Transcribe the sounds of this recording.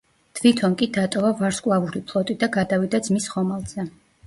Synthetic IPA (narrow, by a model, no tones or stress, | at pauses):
t̪ʰvit̪ʰɔnkʼid̪at̪ʼɔvavaɾskʼlˠavuɾipʰlˠɔt̪ʼid̪aɡad̪avid̪ad̪zmisχɔmalˠz̥ɛ